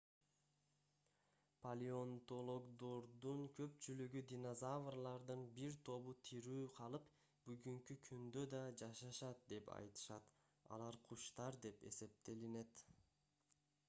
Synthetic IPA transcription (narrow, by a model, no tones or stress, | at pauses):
pʰalʲio̞nt̪o̞lˠoɡd̪oɾd̪uɴkʰø̞pt͡ʃylyɡyd̪ʲinozavrlˠɑɾd̪ɯnbiɾt̪ʰo̞βut̪ʰiɾyːqʰɑlˠɯp | b̥yɡyŋkykʰynd̪ø̞d̪ɑd͡ʒɑʃɑʃɑt̪̚d̪e̞pɑ̰jt̪ɯ̥ʃɑt̪ | ɑ̰lˠɑɾqʰuʃt̪ɑɾd̪e̞pe̞̰se̞p̚t̪e̞line̞t̪